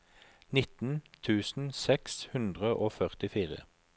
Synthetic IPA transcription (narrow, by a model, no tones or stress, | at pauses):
nɪt̪n̩t̪ʰʉːsn̩sɛkshʉnd̪ʁəʔoːfœʁt̪ɪfiːʁə̰